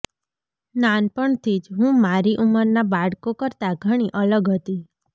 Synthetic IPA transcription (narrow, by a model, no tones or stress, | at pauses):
nanpəɳt̪ʰid͡ʒɦũmaɾiʔuməɾnabaɽkokəɾt̪aɡʱəɽ̃iʔələɡɦət̪i